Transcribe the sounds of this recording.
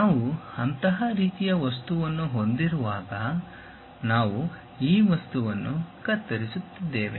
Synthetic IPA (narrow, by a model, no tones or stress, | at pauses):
naːʋuɐnt̪ɐɦɐɾiːt̪ijɐʋɐs̬t̪uʋɐnːuɦo̞nd̪iɾuʋaːɡɐ | naːʋu | iːʋɐst̪uʋɐnːukɐt̪ːɐɾisut̪ːid̪ːeːʋḛ